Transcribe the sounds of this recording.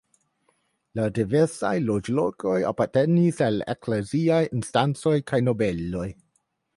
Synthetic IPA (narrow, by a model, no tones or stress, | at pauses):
ladive̞ɾsa̰jlo̞d͡ʒlo̞kʰo̞ja̰paɾte̞nisalḛkleziajinstant͡so̞jkʰajno̞be̞lo̞j